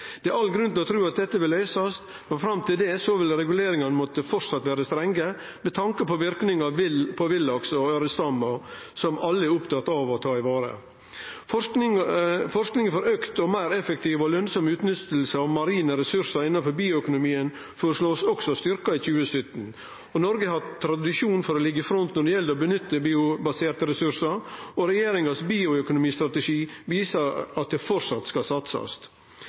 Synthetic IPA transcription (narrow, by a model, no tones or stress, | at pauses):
d̪̥ɛʔɑlɡɾʉnt̪ɪlɔt̪ʰɾʉːɑt̪̚d̪ɛt̪ːəʋɪlːœʏsɑst̪ | mɛnfɾɑmt̪ʰɪld̪ɛsɔʋɪlɾɛɡʉleːɾɪŋɑnəmɔt̪ːəfɔɾsɑt̪ːʋæːɾəst̪ɾɛŋɡə | mɛt̪ʰɑŋkəpʰɔʋɪɾknɪŋɑlpʰɔʋɪlːɑksɔɑɾəst̪ɑmɔsɔmɑlːəɛʊpt̪ʰɑt̪ːɑʋɔt̪ʰɑːɪʋɑːɾə̰ | f | fɔʂknɪŋəfɔɾøkt̪ɔmæɪɾɛfəkt̪ʰiːʋɔlœnsɔmʉːt̪nʏt̪lsəɑʋmɑɾiːnəɾɛsʉɾʂɑɾɪnːɑnfɔɾbiːʊœkʊnʊmiːən | fɔɾʂɭoːsɔksɔst̪ʏɾkɑiçʉːəsœt̪n | ɔnɔɾɡəhɑt̪ʰːɾɑd̪ɪʂuːnfɔɾɔlɪɡːəfɾɔnt̪nɔɖɛjɛld̪ɔbənʏt̪ːəbiːʊbɑseːɾt̪əɾɛsʉɾʂɑɾɔɾɛjeːɾɪŋɑsbiːʊœkʊnʊmiːst̪ɾɑt̪əʂiːʋiːsɑɾɑt̪̚d̪ɛfɔɾʂɑt̪skɑsɑt̪sɑ̰st̪